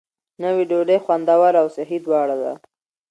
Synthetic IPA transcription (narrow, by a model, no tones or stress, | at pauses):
nəwiɖoɖexwand̪awaɾawsaɦid̪wɑɽad̪a̰